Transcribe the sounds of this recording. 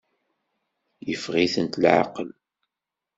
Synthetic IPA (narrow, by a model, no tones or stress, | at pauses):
jəfʁiθənt̪lʕɑ̰qəl